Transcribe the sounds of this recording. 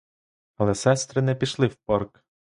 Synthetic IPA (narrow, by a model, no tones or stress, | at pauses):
ɐlˠɛsɛst̪ɾɪnɛpʲiʃlˠɪwpɔrk